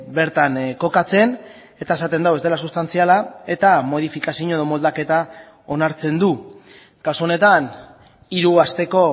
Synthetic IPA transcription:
be̞ɾt̪anko̞kat͡se̞n | e̞t̪ae̞sat̪e̞nd̪awe̞zd̪elasust̪ant͡sialae̞t̪amo̞ð̞ifikasiɲoe̞ðo̞mo̞ld̪ake̞t̪a | o̞naɾt͡se̞nd̪u | kasuone̞t̪an | iɾuast̪e̞ko̞

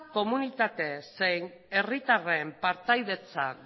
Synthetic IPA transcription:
ko̞munit̪at̪e̞sejn | erit̪arempaɾt̪ajðe̞t͡sa

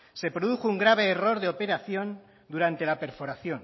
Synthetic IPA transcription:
se̞pɾo̞ðuxouŋɡɾaβ̞eːro̞ɾðeope̞ɾaθjo̞n | d̪uɾant̪e̞lape̞ɾfo̞ɾaθjo̞n

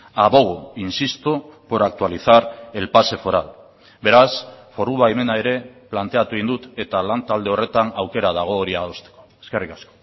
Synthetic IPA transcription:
aβo̞ɣoinsist̪opoɾak̚t̪ualiθaɾe̞lpase̞fo̞ɾal | be̞ɾasfo̞ɾuβaeme̞nae̞ɾe̞plant̪e̞at̪uind̪ut̪e̞t̪alant̪ald̪eo̞re̞t̪anawke̞ɾað̞aɣ̞o̞ːɾiaðost̪eko̥eske̞rikasko̥

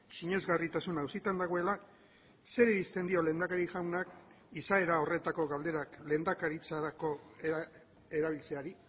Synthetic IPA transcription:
siɲe̞zɣarit̪asunawsit̪and̪aɣ̞o̞e̞la | se̞ɾeɾist̪e̞nd̪io̞le̞ːnd̪akaɾiʝawnak | isae̞ɾao̞re̞t̪ako̞ɣald̪e̞ɾakle̞nd̪akaɾit͡saɾako̞ | eɾaβ̞ilt͡se̞aɾi

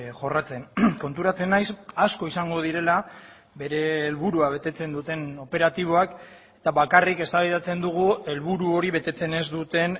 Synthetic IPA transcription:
ʝo̞rat͡se̞nko̞nt̪uɾat͡se̞najsasko̞isaŋɡo̞ð̞iɾe̞la | be̞ɾe̞ːlβuɾuaβ̞e̞t̪e̞t͡se̞nd̪ut̪e̞no̞pe̞ɾat̪iβ̞o̞ak | e̞̥t̪aβakarike̞st̪aβajðat͡se̞nd̪uɣ̞ue̞lβuɾuo̞ɾiβe̞t̪e̞t͡se̞ne̞zd̪ut̪e̞n

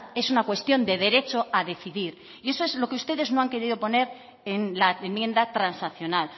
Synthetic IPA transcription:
e̞sunakwe̞st̪jo̞nd̪e̞ðe̞ɾe̞t͡ʃo̞aðe̞θiðiɾ | ie̞so̞e̞zlo̞keust̪e̞ðe̞zno̞aŋke̞ɾiðopo̞ne̞ɾ | e̞nlaemjẽ̞nd̪at̪ɾansaθjo̞nal

